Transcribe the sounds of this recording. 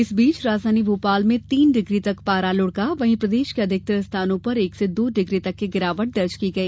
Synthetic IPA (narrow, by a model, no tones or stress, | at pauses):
ɪsbiːt͡ʃɾaːzaːniboːpaːlmẽt̪iːnɖɪɡɾit̪ɐkpaːɾalʊɽkaʋɐɦĩpɾɐd̪eːʃkeɐd̪ʱɪk̚t̪əst̪ʰaːnõpɐɾeːksed̪oːɖɪɡɾit̪ɐkːeɡɪɾaːʋəʈ̚d̪ɐɾt͡ʃkiɡɐeː